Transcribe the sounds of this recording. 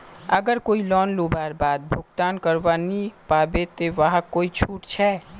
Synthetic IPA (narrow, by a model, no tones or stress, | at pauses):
əɡəɾkoːilɔːnlobaːɾbaːd̪̚bʱʊɡt̪aːnkəɾʋanipaːbet̪eʋəɦakoːit͡ʃʰuːʈt͡ʃʰɛː